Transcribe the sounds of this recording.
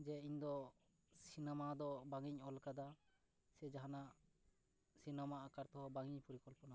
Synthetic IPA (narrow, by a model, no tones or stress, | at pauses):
d͡ʒɛiɲd̪ɔ | sinɛmad̪ɔbaŋiɲɔlkad̪a | sɛd͡ʒaɦanaʔ | sinɛmaʔakaɾt̪ɔɦɔbaŋiɲpɔɾikɔlpɔna